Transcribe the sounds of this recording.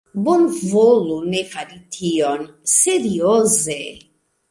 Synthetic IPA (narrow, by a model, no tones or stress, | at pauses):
bonvolunefaɾit̪ʰionseɾioze